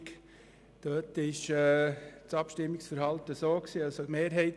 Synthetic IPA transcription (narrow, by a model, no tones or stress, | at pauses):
k | d̥øːtɪʃɛt͡sɑpʃtɪmːɪksfəɾhɑltəsoːksiːɑlsomeːɾɦɛɪt